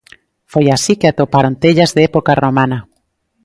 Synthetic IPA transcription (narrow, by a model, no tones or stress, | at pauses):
fojasikeat̪opaɾõnt̪eʎazðɛpokaromãnɐ